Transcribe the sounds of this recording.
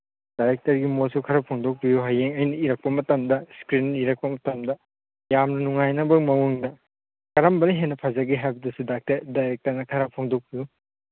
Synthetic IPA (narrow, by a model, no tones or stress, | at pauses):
d̥ajɾek̚tɐɾɡimosukʰɐɾɐpʰoŋdok̚bijuɦajeŋɐjnɐiɾɐk̚pɐmɐtɐmdɐskɾiniɾɐk̚pɐmɐtɐmdɐ | jamnɐnuŋajnɐbɐmɐwuŋdɐ | kɐɾɐmbɐniɦenːɐpʰɐzaɡiɦajbɐdɐsudak̚tɐɾdajɾek̚tɐɾnɐkʰɐɾɐpʰoŋdok̚biju